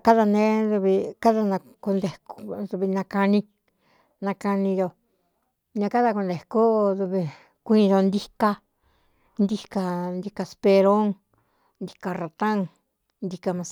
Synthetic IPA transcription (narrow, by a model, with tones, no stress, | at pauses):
ka˦ða˧nẽ˦ðu˧βi˧ka˦ða˧nã˧ku˧nd̪e˨˧kðu˧βi˧nã˧ka˧nĩ˧ | nã˧ka˧nĩ˧jo˧ | ɲã˧ka˦ða˧ku˧nd̪e˨ko˦ðu˧βi˧ | kʷĩ˦˧jo˧nd̪i˦ka˧ | nd̪i˦ka˧nd̪i˧ka˧spe˧ɾo˦ŋ | nd̪i̥˧ka˧ra˧t̪ã˦ŋ | nd̪i˧ka˧mã˧s